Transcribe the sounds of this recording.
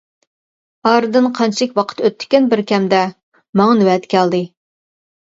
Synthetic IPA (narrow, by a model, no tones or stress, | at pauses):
ɑɾɨd̪ɨnqʰɑnt͡ʃʰlɪkʲwɑqʰə̥t̪øt̪ʰːɪ̥kʲɛnbɪɾkʲɛmd̪ɛ | mɑŋɑnɪwɛt̪kʲʰɛld̪ɨ